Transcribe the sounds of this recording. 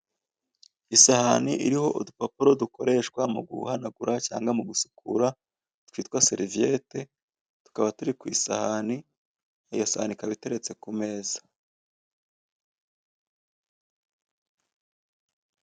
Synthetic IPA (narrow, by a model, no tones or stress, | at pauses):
isahaniʔḭɾiho̞ʔudupopuɾo̞duko̞ɾe̞ʃkwamuɡṵhanaɡuɾʔaca̰ːŋɡwamuɡusu̥kʰṵɾa | twiːtwaseɾivije̞te̞ | tu̥kaβatuɾikwḭːsahani | ajosahanikaβite̞ɾe̞t͡se̞kume̞ːz̥ḁ